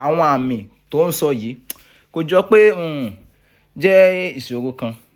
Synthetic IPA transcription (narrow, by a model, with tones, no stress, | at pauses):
a˨w̃ɔ̃˧a˨mĩ˨ | to˨˦n̩˦sɔ˧ji˨˦ | ko˧d͡ʒɔ˦k͡pe˦ũ˦˨ | d͡ʒɛ˦i˦˨si˨o˨ɡo˧kã˧